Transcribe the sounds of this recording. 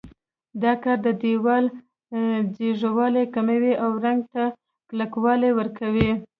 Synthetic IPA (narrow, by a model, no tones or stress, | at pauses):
d̪ɑkɑɾd̪əd̪ewɑl | d͡ʒeʐawɑlekamawiʔawɾaŋɡ̚t̪a | klakwɑlewəɾkawi